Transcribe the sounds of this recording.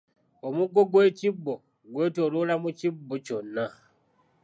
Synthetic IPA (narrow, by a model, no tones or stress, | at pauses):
omuɡo̞ɡwe̞ːcibːo | ɡwe̞ːtoɾulamucibːoconːa